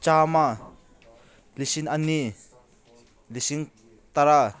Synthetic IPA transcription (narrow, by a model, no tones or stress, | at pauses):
t͡ʃaːma | lisinani | lisiŋ | t̪aɾa